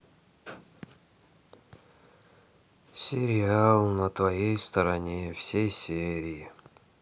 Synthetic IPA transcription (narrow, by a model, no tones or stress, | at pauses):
sʲeɾʲɪalˠnət̪vɐjejst̪ɐɾɐnʲefsʲejsʲeɾʲɪi